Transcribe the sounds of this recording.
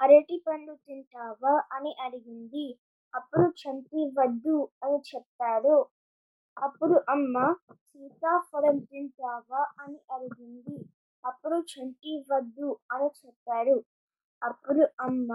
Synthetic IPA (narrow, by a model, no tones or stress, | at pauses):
ɐɾeʈipɐɳlut̪iɳʈaːʋɐʔɐniʔɐɽiɡind̪i | ɐpːuɽut͡ʃɐɳʈiʋɐd̪ːuɐnit͡ʃɛpt̪aːɽu | ɐpːuɽuʔɐmːɐsiːt̪aːpɐɽɐmt̪iɳʈaːʋɐʔɐniʔɐɽiɡind̪i | ɐpːuɽut͡ʃʰɐɳʈiʋɐd̪ːuɐnit͡ʃɛpt̪ːaːɽu | ɐpːuɽuɐmːɐ